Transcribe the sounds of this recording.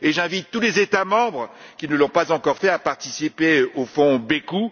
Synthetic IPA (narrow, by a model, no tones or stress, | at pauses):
eʒɛ̃vit̪ːulezet̪amɑ̃bʁə | kʲinəlɔ̃pazɑ̃kɔʁfɛapaʁt̪isipeofɔ̃beku